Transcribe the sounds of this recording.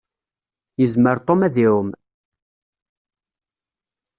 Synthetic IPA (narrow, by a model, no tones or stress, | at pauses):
jəzməɾt̪ˤomæðiwm